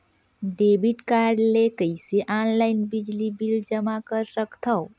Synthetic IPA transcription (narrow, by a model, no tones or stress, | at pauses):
ɖebiʈkaɾɖlekəɪseʔanlaɪnbid͡ʒlibild͡ʒəmakəɾsəkt̪ʰəʊ